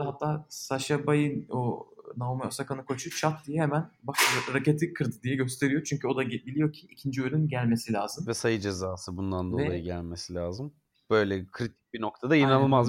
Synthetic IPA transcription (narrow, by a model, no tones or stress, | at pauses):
ɦat̪ʰːaːsaʃabajɯnonaomeosakanɯkʰo̞t͡ʃʰut͡ʃʰat̪̚d̪ijɛhemænbaʃɾace̞t̪ʰikʰɯɾd̪ɯd̪ijɛɟø̞st̪ʰe̞ɾijot͡ʃʰyɲcʰyo̞d̪aɟebilʲijo̞cʰiʔicʰind͡ʒiølʲynɟælʲmesilʲaːzɯmvɛsajɯd͡ʒezaːsɯbund̪and̪o̞ɛlˠajɯɟælʲmesilʲaːzɯm | b̥ø̞jlʲɛkʰɾit̪ʰi̥c̚ʲbino̞k̚t̪ʰad̪ainanɯlˠmaz